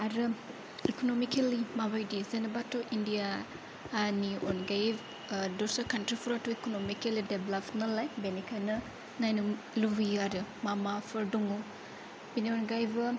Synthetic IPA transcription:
aɾɯ | ikonomikelimabajdizenɐbatoʔindijaː | nionɡajb | dosakʰɐntɾipʰuɾatoikonomikelideblapnɐlajbenikʰanɐ | najnu | lubiaɾɯmamapʰɯɾduŋo | binionɡajbɐ

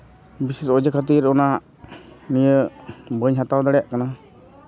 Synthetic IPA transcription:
bisisɔd͡ʒəkʰat̪iɾɔna | nijəbəɲɦat̪awd̪aɽɛjaʔkana

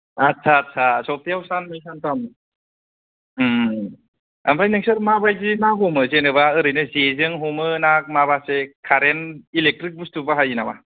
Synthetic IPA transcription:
at̚sʰaːt̚sʰasɔp̚tʰiawsanmijsantam | a̰mɾajnɯŋsɯɾmabajzinaɦomɯzenɯβaɯɾɯjnɯzezɯŋɦomɯnak̚maβasekʰaɾenilek̚tɾik̚bustʰubaɦajinama

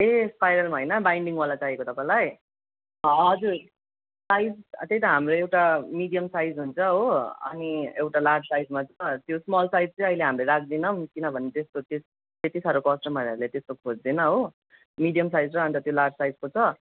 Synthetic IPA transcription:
espajɾʌlmaɦoʌjnʌbajɳɖiŋwalat͡saɦiekot̪ʌpãj̃laj | ʌd͡zur | sajd͡zt̪ejt̪ʌɦamroewʈamiɖijʌmsajd͡zɦunt͡sʰʌɦoʌ̰niewʈalardsajd͡zmat͡sʰʌt̪josmʌlsajd͡zt͡sʌj̃ʌɦileɦamɾʌjɾak̚ʰd̪inʌmkinʌbʱʌnet̪est̪ot̪es | t̪et̪isaɾokʌsʈʌmʌɾʌɾulet̪est̪okʰod͡zd̪inʌɦo | miɽijʌmsajd͡zɾʌɦʌnt͡sʌt̪jolard͡zsajd͡zkot͡sʰʌ

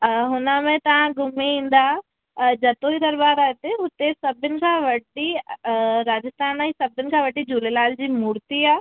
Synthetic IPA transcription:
ɦʊnamẽt̪ɐʋãɡʊmiĩːnd̪a | d͡ʒɐt̪oid̪ɐɾbaːɾat̪eɦʊt̪esɐbɪnkʰaʋɐɖi | ɾaːd͡ʒəst̪ʰaːnaisɐbɪnkʰaʋɐɖid͡ʒulelaːld͡ʒimuːɾt̪iaː

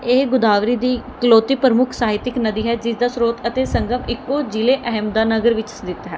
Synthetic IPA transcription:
eːɡʊd̪aːʋɾiːd̪iːkəloːt̪iːpəɾəmʊkʰsaːɦɪt̪ɪknəd̪iːɦɛːd͡ʒɪsd̪aːsɾoːt̪ət̪eːsəŋɡəmɪkːoːd͡ʒileːʔəɦɛmd̪aːnəɡəɾʋɪt͡ʃd̪ɪt̪ɦɛː

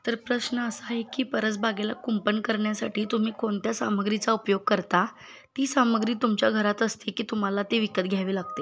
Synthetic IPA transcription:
t̪əɾpɾəɕnəəsaɦekiːpəɾət͡sbaɡela̰kumpənkəɾɳjasaʈʰiːt̪um̤iːkoɳt̪jasa̰məɡɾit͡saupjoɡ̚kəɾt̪a | t̪iːsaməɡɾiːt̪umt͡ɕjaɡʱəɾat̪əst̪ekiːt̪um̤alat̪eʋikət̪̚ɡʱjaʋiːlaɡ̚t̪e

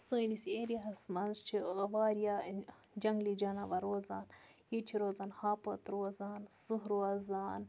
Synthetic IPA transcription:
sɨːniseːɾiɦɐsmɐnzt͡ʃʰiʋaːɾija | d͡ʒɐŋɡlid͡ʒɐnaʋɐɾoːzaːn | jit͡ʃʰiɾoːzaːnhaːpɐt̪ɾoːzaːnsɨɦɾoazaːn

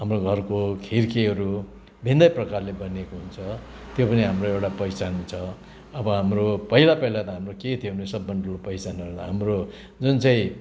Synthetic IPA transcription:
ɦamroɡʱʌrkokʰirkeɦʌɾu | bʱind̪ʌjprʌkarlebʌnekoɦunt͡sʰʌ | t̪jopʌniɦamroewʈapʌjt͡sant͡sʰʌ | ʌbʌɦamropʌɦilapʌɦilat̪ʌɦamroket̪ʰieunesʌbːʌɳɖolopʌjsanʌɾut̪ʌ̰ɦamro | d͡zunt͡sʌ̃ĩ

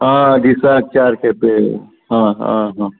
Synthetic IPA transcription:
ɦãdisak̚t͡ʃaɾkʰepe | ɦãɦã̰ɦã

